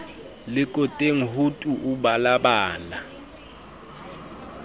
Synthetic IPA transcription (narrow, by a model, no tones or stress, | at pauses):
lɪkʼɔtʼeŋ̩ɦutʼuʔuɓalaɓaːna